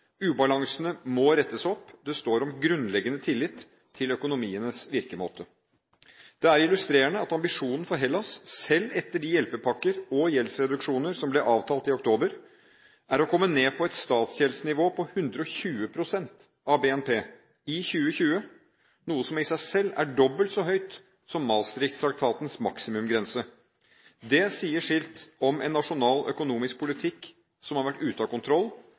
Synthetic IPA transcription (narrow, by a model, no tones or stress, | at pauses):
ʉːbɑlɑŋsənəmɔɾɛt̪ːəsɔpːd̪ɛst̪oːɾɔmɡɾʉnlɛɡənət̪ʰɪlːɪt̪ʰː | ɪlœkʊnʊmiːənəsʋɪɾkəmo̰ːt̪ə | d̪̥ɛæɾɪlʉst̪ɾeːɾəɳəɑt̪ɑmbɪʂuːnn̩fɔɾɦɛlːɑsːɛlːɛt̪ːəɖɪjɛlpəpʰɑkːəɾɔjɛlsɾɛd̪ʉkʂuːnəɾsɔmblɛʔɑːʋt̪ʰɑːlt̪ɪʊkt̪ʰoːbəɾ | æɾɔkʰɔmːəneːpʰɔɛt̪st̪ɑːt̪sjɛlsnɪʋoːpʰɔhʉnd̪ɾəɔçʉːəpʰɾʊsɛnt̪ | ɑʋbeːɛnpʰeː | ɪçʉːəçʉːə | nuːəsɔmɪsæɪsɛlːæ̰ɖɔbːəlt̪sɔɦœʏt̪ | sɔmːɑːlst̪ɾɪkt̪st̪ʰɾɑk̚t̪ʰɑːt̪ənsmɑ̰ksɪmʉmɡɾɛnsə | d̪ɛsiːəʂɪlt̪ɔmɛ̰nːɑʂʊnɑːlœ̰kʊnuːmɪsk̚pʰʊlɪt̪ʰɪkː | sɔmhɑɾʋæʈːʉːt̪ɑkʊnt̪ʰɾɔlː